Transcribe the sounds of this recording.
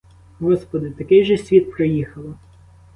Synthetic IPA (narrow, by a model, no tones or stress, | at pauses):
ɦɔspɔd̪ɪt̪ɐkɪjʒɛsʲʋʲit̪̚pɾɪjixɐlˠɪ